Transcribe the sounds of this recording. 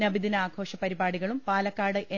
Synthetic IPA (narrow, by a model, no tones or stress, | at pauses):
nɐbid̪inɐaːɡʰʱo̞ːʂɐpɐɾibaːɽiɣɐɭumpaːlɐkːaːɽɨʔe